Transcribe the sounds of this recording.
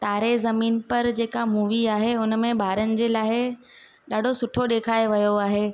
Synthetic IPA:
t̪aːɾezɐmiːnpɐɾd͡ʑeːkamuːʋiaːɦeʊnmẽbʱaːɾənɪ̆d͡ʑeːlaːɪɪ | ɗaːɖʱosʊʈʰoɗeːkʰaːeʋɐjoaːɦeː

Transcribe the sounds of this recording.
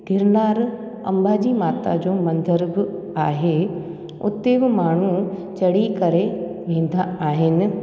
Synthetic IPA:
ɡʱɪɾnaːɾ | ɐ̰̃mbad͡ʑiːmaːt̪a̰d͡ʑoːmɐ̃nd̪əɾbɪ | aːɦe | ʊ̰t̪ebɪmaːɳ̤ut͡ɕɐɽikɐɾe | ʋẽːn̆d̪aaːɦɪnɪ̆

